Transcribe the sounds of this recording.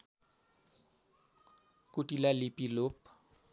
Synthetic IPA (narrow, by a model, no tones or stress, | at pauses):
kuʈilalipilop̚